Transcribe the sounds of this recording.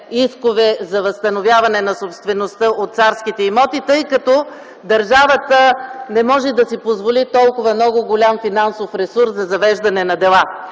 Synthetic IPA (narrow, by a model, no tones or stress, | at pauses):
iskovɛzɐvɐst̪ɐnovʲjavɐnɛnɐsopst̪vɛnost̪əʔot̪t̪saɾskit̪ɛimɔt̪it̪ɤjkɐt̪ɔ | d̪ɐɾʒavət̪ənɛmɔʒɛd̪ɐsipozvolit̪ɔlˠkʊvɐmnɔɡʊɡolʲamfinansofɾɛsuɾszɐzɐvɛʒd̪ɐnɛnɐd̪ɛlˠa